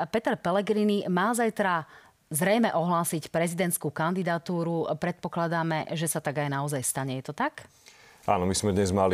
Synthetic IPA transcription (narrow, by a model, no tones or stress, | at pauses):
pɛt̪ɛɾpɛlɛɡɾinimaːzajt̪ɾa | zɾɛjmɛʔɔɦlaːsicpɾɛzid̪ɛnt̪skukand̪id̪at̪uːɾupɾɛt̪̚pɔklad̪aːmɛʒɛsat̪aɡajnaɔzajst̪aɲɛjɛt̪ɔt̪ak | a̰ːnɔmizmɛd̪ɲɛzmali